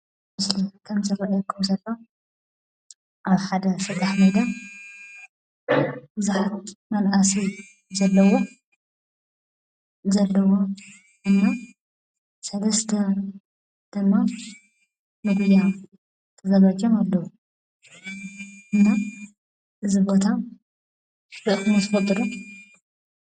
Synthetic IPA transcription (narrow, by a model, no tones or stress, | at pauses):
mɨslikʰɐmzɐɾɐʔjkʰːumsɐlːo | ʔaβħad̪ɐsɨt̪ʰːaħmɐd̪a | bɨzuħat̪mɐnʔɐsi | zɐlːɐwo | zɐlːɐwo | ʔɨnːa | sɐlɐst̪ʰɐ | d̪̥ɨmːa | nɨɡuj̪a | t̪ʰɨzɐlad͡ʒʼɐmalːɐu | ʔɨnːa | ʔɨzɨbo̞t̪ʰa | ɾɨʔɨxɨnɐzɨfɐt̪ʼɾu